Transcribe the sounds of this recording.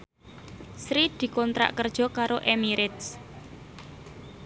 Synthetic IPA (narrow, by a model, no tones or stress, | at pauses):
sɾid̪̥i̤kɔnt̪ɾa̰ʔkərd̥ʒ̥ɔ̤kaɾoʔemiɾɪt̪s